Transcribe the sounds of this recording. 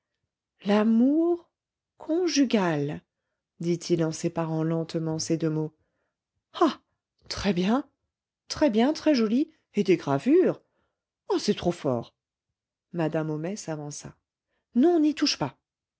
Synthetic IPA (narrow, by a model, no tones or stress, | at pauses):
lamuʁ | kʰɔ̃ʒyɡʲal | d̪it̪ʰilɑ̃sepaʁɑ̃lɑ̃t̪mɑ̃sed̪ømo | a | t̪χɛbjɛ̃ | t̪χɛbjɛ̃t̪χɛʒɔli | ed̪eɡʁavyʁ | asɛt̪χofɔ̰ʁ | mad̪amomɛsavɑ̃sa̰ | nɔ̃nit̪uʃpa